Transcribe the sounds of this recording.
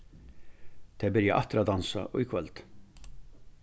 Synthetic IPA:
t̪ʰeːbɪɾjæʔɑt̪ɾɑd̪ɑnsɑ̰ʔɔ̰ːɪkʰʋɛlt̪

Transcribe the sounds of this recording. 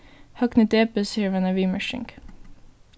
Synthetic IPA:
hɑknət̪eːpəsiːʋənəʋiːməʃɪ̰ŋk

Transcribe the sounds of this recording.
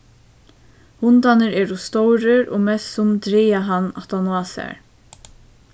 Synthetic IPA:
hʊnt̪anəɾɛːɾʊst̪owɾəɾo̰ːmɛsʊmd̪ɾiːaɦanːa̰t̪anwaːsæ̰ɹ

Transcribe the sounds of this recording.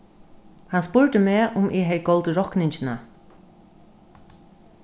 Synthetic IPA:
hanspʊɹt̪əmɛːʔʊmʔɪːɦɛjɡɔwlt̪əɹɔhknɪɲt͡ʃɪna

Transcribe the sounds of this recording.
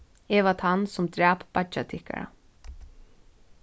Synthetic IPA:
ɛːvat̪hansʊmd̪ɾæːpːat͡ʃat̪ʰɪhka̰ɹa̰

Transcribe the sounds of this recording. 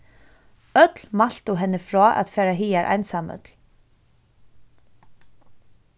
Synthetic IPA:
œt̪lmal̥t̪ʊɦɛnːəfɾɔːʔa̰t̪fɛːɾaɦiːaɾʔa̰jnsamœ̰t̪l̥

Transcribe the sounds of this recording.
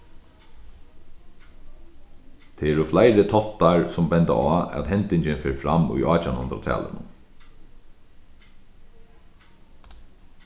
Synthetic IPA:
t̪ʰeɛɾuflajɾət̪ʰɔt̪aɹsɔmbɛnt̪a̰aːɛ̰t̪ɦɛnt̪ɪɲt͡ʃɪnfeːɹfɾamṵjʔɑːt͡ʃanʊ̰nt̪ɾa̰t̪ʰɛ̰ːlə̰nʊn

